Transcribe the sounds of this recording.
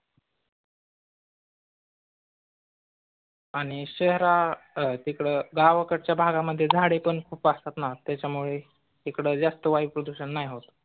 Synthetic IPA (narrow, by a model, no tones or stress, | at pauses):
aɽ̃iɕeɦɾat̪ikɽeːɡaʋkəʈt͡ɕjabʱaɡaməd̪ʱːjed͡zʱaɽepəɳkʰuːpasat̪nat̪jat͡ɕjamuɭe | ekɽəd͡zast̪əʋaiʋpɾəd̪uɕənːajɦot̪